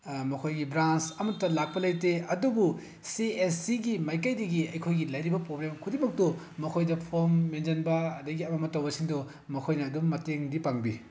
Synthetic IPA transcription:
mɐkʰojɡibɾant͡ʃɐmɐtːɐlak̚pɐlɐjteɐdubu | siesiɡimajkɐjdɐɡiɐjkʰojɡilɐjɾibɐpɾoblemkʰudimɐk̚tu | mɐkʰojdɐpʰoɾmːend͡ʒɐnbɐːdɐɡiɐmɐmɐtɐwbɐsiŋdu | mɐkʰojnɐːdumːɐteŋdipaŋbḭ

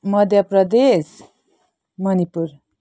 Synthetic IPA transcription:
mʌd̪ʱjʌpɾʌd̪es | mʌnipuɾ

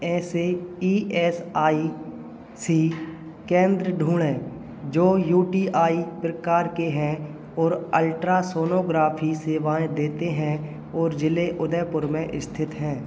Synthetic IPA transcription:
ɛːseiːɛːsaːi | siː | kẽːnd̪ɾəɖʱuːɽẽː | d͡ʒoːjuːʈiːʔaːipɾəkaːɾkeɦɛ̃ | ɔːɾəlʈɾasoːnoːɡɾaːpʰiseːʋaːẽd̪eːt̪eɦɛ̃ | ɔːɾd͡ʒɪleʔʊd̪ɛːpʊɾmẽʔɪst̪ʰɪt̪ɦɛ̃ː

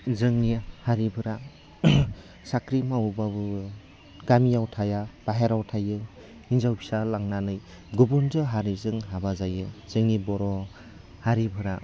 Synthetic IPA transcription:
zɯŋnihaɾibʱɯɾa | sakɾimawbabɯ | ɡ̥amijawtʰajab̥aɦeɾawtʰajɯ | inzawbi̥salaŋnanɯj | ɡubunzɯɦaɾizɯŋɦabazajɯz̥ɯŋnibɔɾɔ | haɾibʱɯɾa

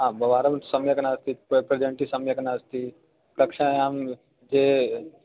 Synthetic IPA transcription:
ɦãːbɐʋaːɾɐmsɐmjɐkɐnaːst̪ippɾed͡ʒɐɳʈisɐmjɐkɐnaːst̪i | kɐkʂãjaːm | d͡ʒe

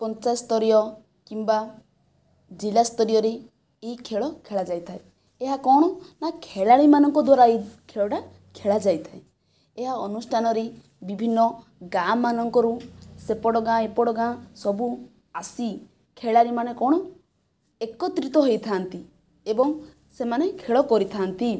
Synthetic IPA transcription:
pɔnt͡ʃast̪ɔɾijɔ | kimba | d͡ʒilast̪ɔɾijɔɾe | eɦikʰeɭɔkʰeɭad͡ʒajt̪ʰae | eɦakɔɽ̃ɔnakʰeɭaɽimanɔŋkɔd̪waɾaikʰeɭɔʈa | kʰeɭad͡ʒajt̪ʰae | eɦaɔnusʈʰanɔɾe | bibʱinːɔ | ɡamanɔŋkɔɾusepɔɽɔɡãepɔɽɔɡãsɔbu | asi | kʰeɭaɾimanekɔɽ̃ɔ | ekɔt̪ɾit̪ɔɦojt̪ʰant̪i | ebɔŋ | semanekʰeɭɔkɔɾit̪ʰant̪i

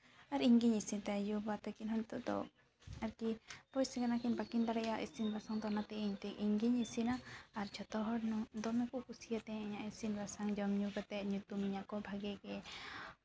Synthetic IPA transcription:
aɾiŋɡiɲisint̪ɛjubat̪akinɦɔɲt̪ɔʔd̪ɔ̰ | aɾkipɔjsɛkanakinbakind̪aɽɛjaʔisinbʱasaŋd̪ɔnat̪ɛiɲt̪ɛiŋɡiɲisinaːɾt͡ʃʰɔt̪ɔɦɔɽnɔd̪ɔmɛkuʔkusijat̪ɛ̃ɛɲaʔisinbasaŋd͡ʒɔmɲuɡat̪ɛʔɲut̪umiɲaʔkɔbʱaɡɛɡɛ

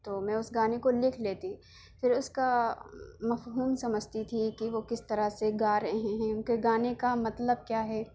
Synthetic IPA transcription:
t̪oːmɛ̃ːʊsɡaːnekolɪkʰleːt̪i | fɪɾʊska | mɐfɦuːmsɐməd͡ʒʱt̪it̪ʰikiʋokɪst̪ɐɾaseɡaːɾɐɦeɦeɦɛ̃ʊkeɡaːnekamɐt̪ləb̚kjaːɦɛː

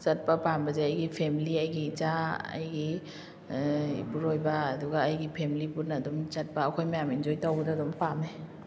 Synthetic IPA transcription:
t͡ʃɐt̚pɐpambɐzeɐjɡipʰemiliɐjɡit͡ʃaɐ̰jɡi | puɾojbɐːduɡaːjɡipʰemilipuɾnɐdumt͡ʃɐt̚pɐːkʰojmɐjamind͡ʒojtawɡdadumpamne

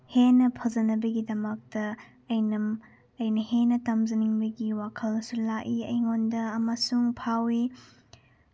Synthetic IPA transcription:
henɐpʰɐzɐnɐbɐɡidɐmɐk̚tɐː | jnɐm | ɐjnɐhenɐtɐmzɐniŋbɐɡiwakʰɐlsulakiɐ̰jŋondɐːmɐsuŋpʰawi

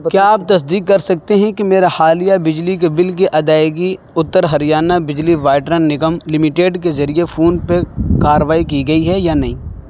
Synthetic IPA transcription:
kjaːp̚t̪ɐs̬d̪iːkːɐɾsɐk̚t̪eɦɛ̃kimeːɾaxaːlijabɪd͡ʒlik̬ebɪlk̬eʔɐd̪aːɪɡi | ʊt̪ːəɾɦɐɾijaːnabɪd͡ʒliʋaːʈɾənːɪɡəmlɪmɪʈeːɖkezɐɾiefʰuːnpekaːɾəʋaːikiɡɐiɦɛjanɐɦĩː

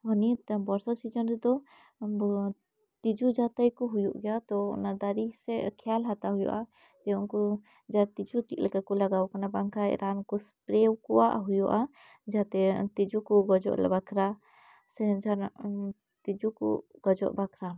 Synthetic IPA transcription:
ɔnit̪bɔɾsasid͡ʒɔnɾɛd̪ɔ | t̪id͡ʒud͡ʒat̪ajkɔɦujuʔɡɛjat̪ɔɔ̰nad̪aɾisɛkʰɛalɦat̪aɦujɔ̰ʔa | d͡ʒɛunkɔ | d͡ʒat̪id͡ʒut̪ik̚lɛkakɔlaɡawkanabaŋkʰaɛ̰ɾankɔspɾɛwkɔwa̰ʔɦujɔʔa | d͡ʒaat̪ɛt̪id͡ʒukɔɡɔd͡ʒɔ̰ʔlɛ̰bakʰɾa | sɛd͡ʒanaʔ | t̪id͡ʒukɔ̰ɡ̥ɔd͡ʒɔ̰ʔbakʰɾa

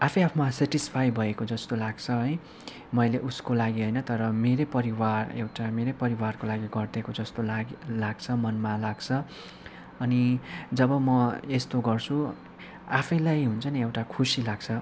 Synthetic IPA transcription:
apʰʌjapʰʌmaseʈispʰajbʱʌekod͡zʌst̪olaɡt͡sʰʌɦʌj | mʌjleʔuskolaɡiɦʌjnʌt̪ʌɾʌmeɾepʌɾiwarḛwʈameɾepʌɾiwarkolaɡiɡʌrd̪ekod͡zʌst̪olaɡlaɡt͡sʰʌmʌnmalaɡt͡sʰʌ | ʌnid͡zʌbʌmʌest̪oɡʌrt͡sʰu | apʰʌjlajɦunt͡sʰʌniewʈakʰusilaɡt͡sʰʌ

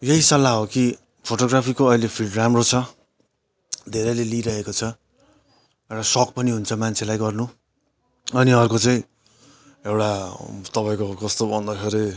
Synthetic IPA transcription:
jeɦisʌlːaɦoki | pʰoʈoɡrapʰikoʌjlepʰiɖramrot͡sʰʌ | d̪ʱeɾʌjleliɾʌɦekot͡sʰʌ | ewʈasʌkpʌniɦunt͡sʰʌmant͡sʰelajɡʌrnu | ʌniʌrkot͡saĩ | ewʈat̪ʌpaĩkokʌst̪obʱʌnd̪ʌkʰeɾe

